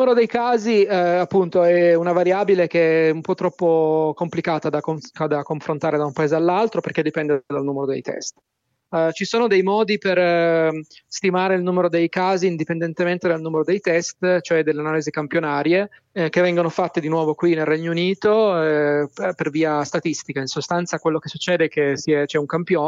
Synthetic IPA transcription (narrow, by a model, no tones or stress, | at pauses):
umeɾod̪ejkaːziapːunt̪oɛunavaɾjaːbilekeɛɛumpɔt̪ːɾɔpːokomplikaːt̪ad̪akoad̪akːoɱfɾont̪aːɾed̪aumpaeːzealːalt̪ɾoperk̟ed̪ipɛnd̪ed̪alnuːmeɾod̪ḛjt̪ʰɛ̰st̪ | t͡ʃisoːnod̪ejmɔːd̪iper | st̪imaːɾeilnuːmeɾod̪ejkaːziːnd̪ipend̪ɛnt̪ement̪ed̪alnuːmeɾod̪ejt̪ɛst̪t͡ʃoɛd̪elːeanaːlizikampjonaːɾje | kevːɛŋɡonofat̪ːed̪inwɔːvokwinelrɛɲːouniːt̪o | perviːast̪at̪ist̪ikainsost̪ant̪sakwelːok̟esːut͡ʃːɛːd̪eɛkesiɛt͡ʃɛuŋkampjo